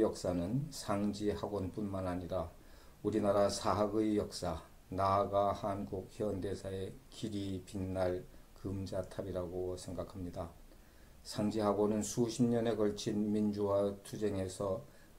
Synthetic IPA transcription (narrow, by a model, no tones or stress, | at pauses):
jʌk̚s͈anɯnsʰaŋd͡ʑihaɡonpunmanaɲiɾa | uɾinaɾasʰaɦaɡɯijʌk̚s͈a | naɡahanɡuk̚çjʌnde̞sʰae̞kiɾipinːaɭkɯmd͡ʑatʰabiɾaɡosʰe̞ŋɡakʰamɲida | sʰaŋd͡ʑiɦaɡonɯnsʰuɕʰimɲʌne̞kʌɭt͡ɕʰinmind͡ʑuwatʰud͡ʑe̞ŋe̞sʰʌ